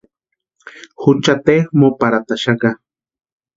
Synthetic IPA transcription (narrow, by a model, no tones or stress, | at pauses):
xut͡ʃat̪exmopaɾat̪aʃaka